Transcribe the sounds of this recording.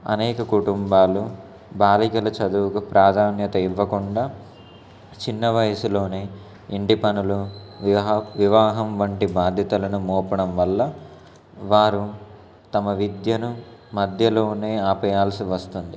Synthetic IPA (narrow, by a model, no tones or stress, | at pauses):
ɐ̰nɛːkɐkuʈumbaːlu | baːlikɐlɐt͡ʃɐd̪uːkupɾaːd̪ʱaːnjɐt̪ɐiʋːɐkuɳɖaː | t͡ʃinːɐʋɐjɐsulo̞ːneː | iɳʈipɐnulu | ʋiʋaːɦɐmʋɐɳʈibaːd̪ʱjɐt̪ɐlɐnumɔːpɐɽɐmʋɐlːɐ | ʋaːɾu | t̪ɐmɐʋid̪jɐnumɐd̪ʱjɐlo̞ːne̞ːaːpɐjaːlsiʋɐst̪und̪i